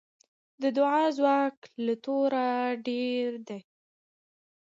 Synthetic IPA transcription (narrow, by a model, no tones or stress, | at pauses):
d̪əd̪ʊʕɑzwɑklat̪oɾaɖeɾd̪e